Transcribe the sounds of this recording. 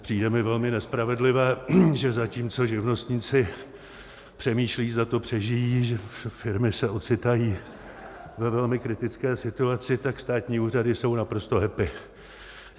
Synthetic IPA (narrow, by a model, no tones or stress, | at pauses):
pr̝̥iːdɛmɪvɛlmɪnɛspɾavɛdlɪvɛːʒɛzaciːmt͡so̞ʒɪvno̞st̪ɲiːt͡sɪ | pr̝̥ɛmiːʃliːzat̪o̞pr̝̥ɛʒɪjiːʒɛfɪɾmɪsɛʔo̞t͡sɪt̪ajiː | vɛvɛlmɪkɾɪt̪ɪt͡skɛːsɪt̪uat͡sɪt̪akst̪aːt̪ɲiːuːradɪso̞wnapɾo̞st̪o̞ɦɛpɪ